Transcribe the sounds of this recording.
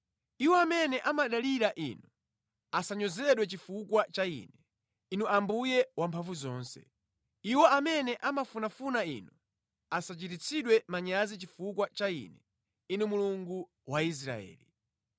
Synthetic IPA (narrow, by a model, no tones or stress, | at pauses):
iwɔamɛnɛʔamaɗaliɾaʔḭnu | asaɲɔzɛɗwɛt͡ʃifukwat͡ʃaḭːnɛ | inuʔambujɛwampʰaɱvuzɔːnsɛ̰ | iwɔamɛnɛʔamafunafunaḭnu | asat͡ʃitit͡sʰiɗwɛmaɲazit͡ʃifukwat͡ʃaḭnɛ | inumuluŋɡu | wais̬ɾa̰ɛ̰ːli